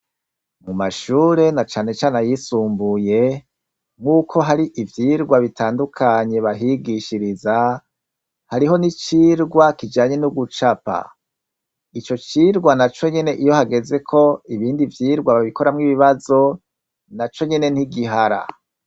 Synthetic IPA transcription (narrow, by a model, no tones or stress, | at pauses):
mumaʃuːɾe̞nat͡ʃaːne̞t͡ʃaːnajisuːmbuje̞ | ŋukʰo̞ɦaɾiʔivjiːɾɡwaβitaːndukʰaɲe̞βaɦiɡiʃiɾiza | haɾiɦo̞nit͡ʃiːɾɡwakid͡ʒaːɲe̞nuɡut͡ʃapa̰ | it͡ʃo̞t͡ʃiːɾɡwanat͡ʃo̞ɲe̞ne̞ʔijo̞haɡe̞ze̞kʰo̞iβiːndivjiːɾɡwaβaβiko̞ɾamŋiβiβazo̞ | nat͡ʃo̞ɲe̞ne̞niɡiɦaɾa̰